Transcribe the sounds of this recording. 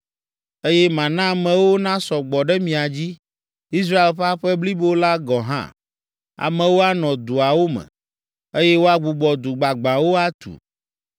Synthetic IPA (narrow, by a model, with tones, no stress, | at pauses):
e˦jɛ˦mã˨nã˦˨mɛ̃˨wo˦nã˦sɔ˨ɡ͡bɔ˨ɖɛ˦mĩ˨a˨d͡ʑi˦ | i˦s̬ɾa˦e˨lɸa˦ɸɛ˦bli˦bo˦la˦ɡɔ˨ɦã̰˦ | a̰˨mɛ̃˨wo˦a˦nɔ̃˨d̪u˨a˨wo˦mɛ̰̃˨ | e˦jɛ˦wo˦a˦ɡ͡bu˨ɡ͡bɔ˨d̪u˨ɡ͡ba˨ɡ͡bã˨wo˦a˦t̪ṵ˨